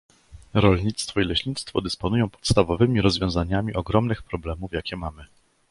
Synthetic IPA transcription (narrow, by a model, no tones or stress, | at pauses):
ɾɔlɲit̪st̪fɔilɛɕɲit̪st̪fɔd̪ɘspɔnujɔ̃w̃pɔ̥t̪st̪avɔvɘmʲiɾɔzvʲjɔ̃w̃zaɲamʲiʔɔɡɾɔmnɘxpɾɔblɛmuvjakʲɛmamɘ